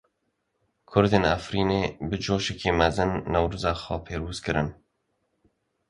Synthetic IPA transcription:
kʰʊɾd̪eːnæfɾiːneːbɨd͡ʒoːʃɛkiːmɛzɨnːɛwɾuzaːxɔːpʰeːɾuːzkɨɾɨn

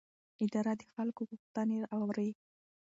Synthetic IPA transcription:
ɪd̪ɑɾad̪əxalkoɣʊxt̪aneɾawɾəj

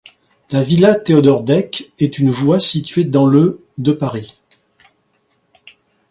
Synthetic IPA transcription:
lavilat̪eɔd̪ɔʁd̪ɛkɛt̪ynvwasit̪ɥed̪ɑ̃lə | d̪əpaʁi

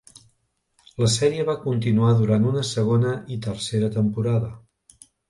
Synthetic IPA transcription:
ləsɛɾiəβakunt̪inuaðuɾant̪unəsəɣ̞onəit̪ərseɾət̪əmpuɾaðə

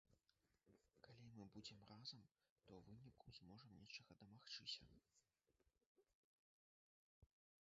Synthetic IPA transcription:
kalʲimɨbud͡zʲɛmrazɐmt̪ɔwvɨnʲikuzmɔʐɐmnʲɛt͡ʂɐɣɐd̪ɐmaxt͡ʂɨsʲɐ̰

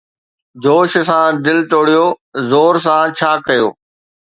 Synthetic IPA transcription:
d͡ʑoːʃsãd̪ɪlt̪oːɽijozoːɾs̬ãt͡ɕʰaːkɐjo̰ː

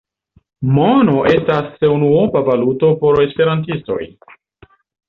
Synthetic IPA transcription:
mono̞ʔe̞stasːe̞unuobavaluto̞po̞ɾe̞spe̞ɾantisto̞̰j

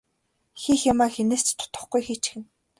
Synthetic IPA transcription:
xiːxjamaːxeneːst̪t̪ʰʊ̥t̪ə̆χɡujxit͡ɕxɘ̆n

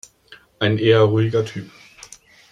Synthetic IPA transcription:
aɪneːɐʁuiɡ̥ɐt͡sʰy̰ːb̥̚

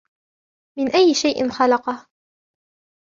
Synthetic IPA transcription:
mɪnʔajːɪʃajʔɪ̰nxɑlɑqɑh

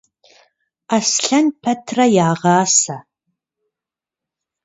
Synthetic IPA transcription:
asɬɐnpʰɐtʰrɐjaːʁɑːsɐ

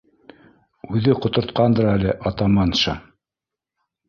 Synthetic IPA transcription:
ʉðɘqŏt̪ŏɾt̪̚qɑnd̪ɤɾælɘʔɑt̪ɑmɑnʃɑ̰

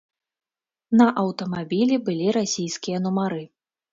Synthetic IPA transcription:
nɐʔɐwt̪ɐmabʲilʲibɨlʲiɾasʲijskʲijɐnumaɾɨ

